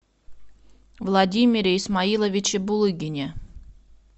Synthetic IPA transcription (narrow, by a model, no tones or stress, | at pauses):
vlˠɐdʲimʲɪɾʲeismailˠəvʲɪt͡ɕɪbulˠɨɡʲɪnʲe